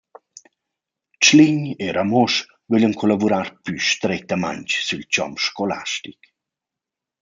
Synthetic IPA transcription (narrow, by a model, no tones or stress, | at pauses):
t͡ʃliɲeɾamɔʃ | vøʎənkʰɔlavuɾaːrpyʃt̪ɾɛt̪ama̰ɲt͡ʃsylt͡ʃɔ̰mʃkɔla̰ʃtik